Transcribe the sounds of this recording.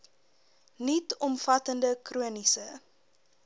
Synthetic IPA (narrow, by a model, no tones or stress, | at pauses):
nitɔmfɐtəndəkruənisə